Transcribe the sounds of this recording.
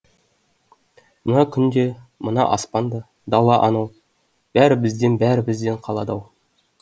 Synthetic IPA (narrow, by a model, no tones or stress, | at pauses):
mənɑkʲʰʏnd̪e̞mənɑ̰ʔɑspɑnd̪ə | d̪ɑlˠɑʔɑnɑw | b̥æɾɪbɪzd̪enbæɾɪbɪzd̪e̞ɴqʰɑlˠɑd̪ɑw